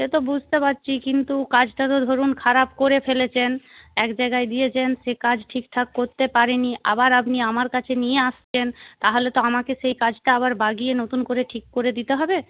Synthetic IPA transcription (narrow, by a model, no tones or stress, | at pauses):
et̪obud͡ʑʱt̪epatːɕʰikint̪ukad͡ʑʈat̪od̪ʱoɾunkʰaɾapkoɾefelet͡ɕʰenɛkd͡ʑajɡajd̪ijet͡ɕʰenʃekad͡ʑʈʰikʈʰakːoɾt̪epaɾeniʔa̰baɾapniamaɾkat͡ɕʰenijeaʃt͡ɕʰent̪aɦolet̪oamakeʃejkad͡ʑʈaaβaɾbaɡienot̪unkoɾeʈʰikːoɾed̪it̪eɦɔbe